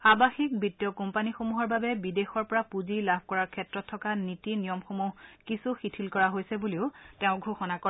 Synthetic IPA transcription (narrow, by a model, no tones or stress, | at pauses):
abaxik̚bitːiɔkɔmpanixomuɦɔɹbabɛbidexɔɹpɔɹapuzilabʱkɔɹaɹkʰɛtɹɔtʰːɔkanitinijɔmxomuɦkisuxitʰilkɔɹaɦojsɛbuliʊtɛʊ̃ɡʱoxɔnakɔɹ